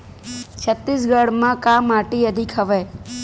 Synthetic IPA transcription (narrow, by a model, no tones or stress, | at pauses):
t͡ʃʰət̪ːis̬ɡəɽmãkamaːʈiəd̪ʱɪkɦəʋeː